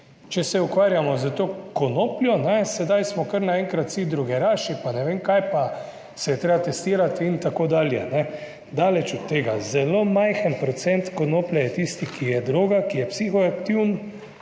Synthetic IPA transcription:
t͡ʃɛsɛukʋaːɾjamɔzət̪okɔnoːpljɔnɛsɛd̪ajsmɔkəɾnaɛŋkɾat̪sid̪ɾuɡɛɾaːʃipanɛʋeːmkajpa | sɛjɛt̪ɾeːbat̪ɛst̪iːɾat̪int̪akoːd̪aːljɛnɛ | d̪aːlɛt͡ʃɔt̪ːeːɡazɛlomajxənpɾɔt̪sɛnt̪konoːplɛjɛt̪ist̪ikʰijɛd̪ɾoːɡakijɛpsiːxɔakt̪iwn

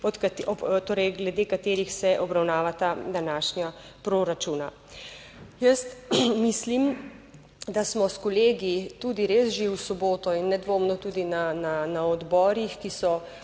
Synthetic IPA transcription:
ɔt̪k̪ɔt̪oːɾɛjɡlɛd̪eːkat̪eːɾixsɛʔɔbɾawnaːʋat̪ad̪anaːʃnapɾoːɾat͡ʃuːna | jəst̪mislim | d̪asmɔskɔleːɡit̪ud̪iɾeːsʒewsɔboːt̪ɔinːɛd̪ʋoːmnɔt̪ud̪inananaɔd̪bɔːɾixkisɔ

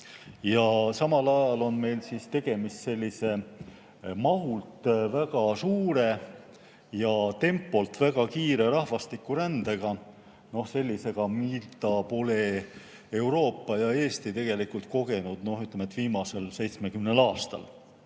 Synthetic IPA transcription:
jɑsɑmɑlɑjɑlo̞nme̞jlsist̪e̞ɡ̥e̞mist̪se̞lʲːise̞ | mɑɦult̪ˑvæɡ̥ɑsuːɾe̞ | jɑt̪e̞mpːˑo̞lt̪væɡ̥ɑkiːɾe̞ɾɑhvɑst̪ikːˑuɾænd̪̥e̞ɡ̥ɑ | no̞hse̞lʲːise̞ɡ̥ɑmilt̪ɑpo̞le̞ | e̞wɾo̞ːpːɑjɑe̞ːst̪it̪e̞ɡ̥e̞likult̪̚ko̞ɡe̞nud̪̥no̞hyt̪ːˑlemet̪viːmɑse̞lse̞jt̪sme̞kymne̞lɑːst̪ɑ̰l

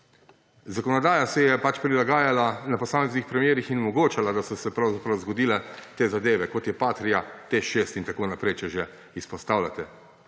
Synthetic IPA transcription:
zakɔnɔd̪aːjasɛjɛpat͡ʃpɾilaɡaːjalanapɔsaːmɛznixpɾɛmjeːɾixinɔmɔɡoːt͡ʃalad̪asɔsɛpɾawzapɾɐwzɡɔd̪iːlɛt̪eːzad̪eːʋɛkɔt̪jɛpaːt̪ɾijat̪eʃest̪int̪akoːnapɾejt͡ʃɛʒɛ | ispɔst̪aːwlʲat̪ɛ

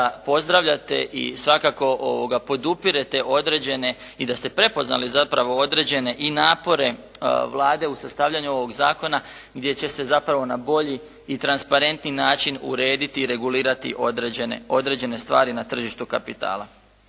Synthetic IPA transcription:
apo̞zd̪ɾaʋʎat̪e̞̰ʔḭsʋakako̞ʔoʋo̞ɡapo̞d̪upiɾe̞t̪e̞ʔo̞d̪ɾe̞d͡ʑe̞ne̞ | id̪ast̪e̞pɾe̞po̞zna̰lizapɾaʋo̞o̞d̪ɾe̞d͡ʑe̞ne̞ʔinaːpo̞ɾe̞ʋlˠaːd̪e̞usast̪aːʋʎʲaɲuo̞ʋo̞ɡzaːko̞na | ɡd̪je̞t͡ɕe̞se̞zapɾaʋo̞nabo̞ʎiː | t̪ɾanspaɾe̞nt̪ninaːt͡ʃinṵɾe̞ːd̪it̪iːɾe̞ɡuliːɾat̪ḭʔo̞d̪ɾed͡ʑenḛo̞d̪ɾe̞d͡ʑe̞ne̞st̪ʋa̰ːɾinat̪r̩ʒiʃt̪ukapit̪a̰ːla

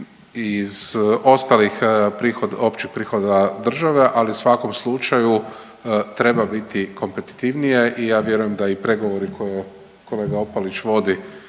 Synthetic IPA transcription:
iz̥o̞st̪alixpɾixod̪opt͡ʃixpɾiːxo̞d̪ad̪r̩ʒaʋe̞ʔaliusʋako̞mslˠut͡ʃaju | t̪ɾe̞babit̪ikʰo̞mpe̞t̪i̥t̪iʋnije̞ʔijaːʋje̞ɾujemd̪aipɾe̞ɡo̞ʋo̞ɾikʰo̞je | ko̞le̞ːɡao̞palit͡ʃʋo̞d̪i

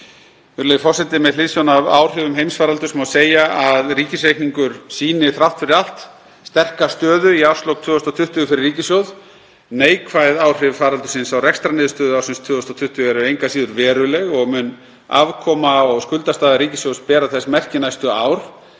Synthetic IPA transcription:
vʏɾlejfɔrsɛt̪ɪmɛðlɪnsjownava̰ːwr̥ɪvʏmɦejmsfaːɾalt̪ʏsmawseːjaaðriːcɪsɾejkniŋkʏɾ̥siːnɪθɾawft̪fɪɾɪal̥t̪ | st̪ɛr̥kast̪œːðʏiawst̪lowkt̪vʏːðʏst̪awt̪ʰʏht̪ʏɣʏfɪɾɪɾriːcɪsjowð | neːjkʰvajðaːwr̥ɪvfaːɾalt̪ʏ̥sɪnsawrɛkst̪ɾanɪːðʏst̪œːðʏawsɪnst̪ʰvʏːðɔst̪awt̪ʰʏht̪ʏɣɛɾʏejŋkasiːðʏɾvɛːɾʏlɛɣɔɣmʏn | a̰vkʰɔmaɔɣskʏlt̪ast̪aːðaɾiːcɪsjowspɛːɾaθɛsmɛr̥cɪnajst̪ʏaːwɾ̥

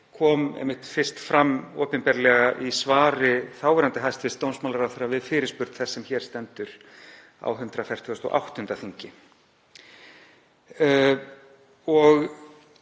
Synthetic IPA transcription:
kʰɔːmɛ̰jmːɪht̪fɪr̥st̪fɾamːɔːpɪnpɛɾlɛɣaʔisvaːɾɪθaːwvɛɾant̪ɪɦajst̪vɪst̪ownsmawlaɾaθɛɾavɪðfɪːɾɪɾspʏɾt̪θɛsːɛmçɛːɾ̥st̪ɛnt̪ʏɾ̥ | a̰wɦʏnt̪ɾafɛr̥t̪ʰʏɔst̪ɔ̰ʔa̰wht̪ʏnt̪aθiɲcɪ | ɔɣ

